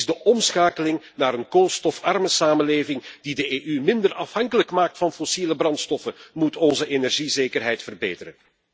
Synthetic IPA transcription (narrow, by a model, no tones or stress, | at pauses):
zdəʔɔmsxaːkəlɪŋ | naːɾənkolˠstɔfɑrməsaːmənleːvɪŋd̥idəeːʔymɪndərɑfhɑŋkələkmaːk̚tfɑnfosiləbrɑntstɔfəmutɔnzəʔenɛrʒizeːjkərɦɛjtfərbeːtəɾən